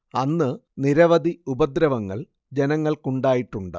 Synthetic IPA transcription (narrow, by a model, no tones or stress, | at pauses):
ɐnːɨniɾɐʋɐd̪ʱiubɐd̪ɾɐʋɐŋːɐ̰ɭ | d͡ʑenɐŋːɐɭkuɳɖaːjiʈːuɳɖɨ̰